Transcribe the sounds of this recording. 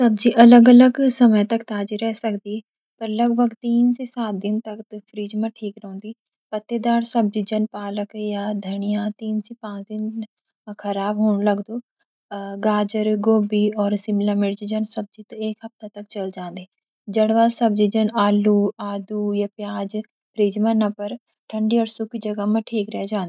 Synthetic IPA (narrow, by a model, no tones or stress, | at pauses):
səb̚d͡ʒiːʔələɡələɡsəmət̪əkt̪aːd͡ʒiɾɛːsəkd̪iːɛː | pəɾləɡbəkt̪iːnsiːsaːt̪̚d̪ɪnt̪əkt̪pʰɾiːd͡ʒmãʈʰiːkɾɔ̃ːnd̪iː | pət̪ːeːd̪aːɾsəb̚d͡ʒiːd͡ʒənpaːləkjaːd̪ʱəɽɪjãːt̪iːnsiːpãːt͡ʃd̪ɪn | kʰəɾaːbɦoːɳləɡd̪oː | ɡaːd͡ʒəɾɡoːbiːɔːɾsɪmlãːmɪɽd͡ʒid͡ʒənsəb̚d͡ʒiːt̪ɪkɦəp̚t̪aːt̪ək̚t͡ʃəld͡ʒãːnd̪eː | d͡ʒəɽʋaːsəb̚d͡ʒiːd͡ʒənaːluːaːd̪uːjaːpjaːd͡ʒ | pʰɾiːd͡ʒmãːnãpəɾ | ʈʰəɳɖiːɔːɾsʊkːiːd͡ʒəɡaːmə̃ʈʰiːkɾɪɛːd͡ʒãːnd̪eː